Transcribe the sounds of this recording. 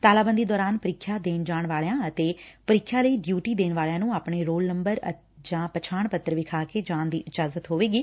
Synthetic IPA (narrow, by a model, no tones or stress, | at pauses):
t̪aːlaːbənd̪iːd̪ɔːɾaːnpəɾɪkʰːjaːd̪eːnd͡ʒaːɳʋaːlːãːət̪eːpəɾɪkʰːjaːləiːɖjuːʈiːd̪eːnʋaːlejãːnũːaːpɳeːɾoːlnəmbəɾə | d͡ʒãːpət͡ʃʰaːɳpət̪ːəɾʋɪkʰaːkeːd͡ʒãːnd̪iːʔɪd͡ʒaːzət̪ɦoːʋeːɡiː